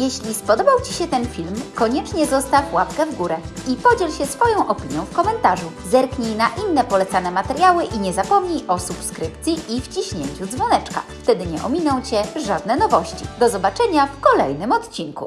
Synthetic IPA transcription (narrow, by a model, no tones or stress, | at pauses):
jɛɕlʲispɔd̪ɔbawt͡ɕi̥ɕɛt̪ɛnfʲilmkɔɲɛt͡ʂɲɛzɔst̪afwapkɛvɡuɾɛipɔd͡ʑɛlɕɛsfɔjɔ̃w̃ʔɔpʲiɲjɔ̃w̃fkɔmɛnt̪aʐuzɛɾkɲijnaʔinːɛpɔlɛt̪sanɛmat̪ɛɾjawɘʔiɲɛzapɔmɲijʔɔsupskɾɘpt̪sʲjiʔift͡ɕiɕɲeɲt͡ɕud̪zvɔnɛt͡ʂka̰ft̪ɛd̪ɘɲɛʔɔmʲinɔ̃w̃t͡ɕɛʐad̪nɛnɔvɔɕt͡ɕid̪ɔzɔbat͡ʂɛɲafkɔlɛ̰jnɘmɔt̪t͡ɕinkṵ